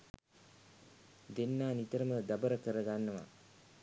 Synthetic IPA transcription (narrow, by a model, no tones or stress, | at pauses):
d̪enːaːnit̪əɾəməd̪abəɾəkəɾəɡanːəʋa̰